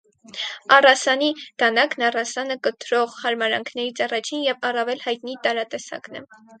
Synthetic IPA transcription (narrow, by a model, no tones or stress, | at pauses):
ɑrɑsɑnid̪̥ɑnɑknɑrɑsɑnəkət̪ɾɔʁhɑɾmɑɾɑ̰ŋkʰnɛɾit͡sʰɑrɑt͡ʃʰinjɛvɑrɑvɛlhɑjt̪nit̪ɑɾɑt̪ɛsɑ̰knɛ̰